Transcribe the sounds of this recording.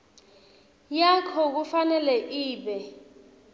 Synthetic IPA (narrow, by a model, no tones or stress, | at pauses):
jakʰɔk̬ufanɛlɛʔiːɓɛ